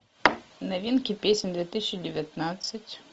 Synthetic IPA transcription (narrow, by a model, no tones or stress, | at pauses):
nɐvʲinkʲɪpʲesʲɪnʲd̪vʲet̪ɨsʲɪt͡ɕːɪdʲɪvʲɪt̪nat̪sɨtʲ